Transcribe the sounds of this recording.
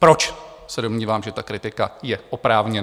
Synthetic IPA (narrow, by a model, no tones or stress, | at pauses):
pɾo̞t͡ʃ | sɛdo̞mɲiːvaːmʒɛt̪akɾɪt̪ɪkajɛʔopɾaːvɲɛn